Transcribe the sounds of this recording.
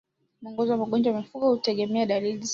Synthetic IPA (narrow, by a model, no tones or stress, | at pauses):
muɔŋɡɔzɔwamaɠɔnd͡ʒawamifuɠɔhutɛɠɛmɛaɗaliliz